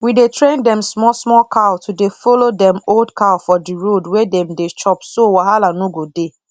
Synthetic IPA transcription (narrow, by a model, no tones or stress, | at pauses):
widetʰɹẽndɛ̃msmɔsmɔkʰaʊtʰudefolodɛ̃moldkaʊfɔdiɹodwedɛ̃mdet͡ʃɔpsowaɦalanuɡode